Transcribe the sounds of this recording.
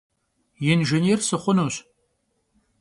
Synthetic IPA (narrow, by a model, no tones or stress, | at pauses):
jɛnʒɐnɛrsɨχʷʊnuːɕ